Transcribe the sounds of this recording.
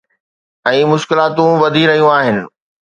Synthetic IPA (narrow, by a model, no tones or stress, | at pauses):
ɛ̃ːmʊʃkɪlaːt̪ũʋɐd̪ʱiɾɐɦijũaːɦɪnɪ̆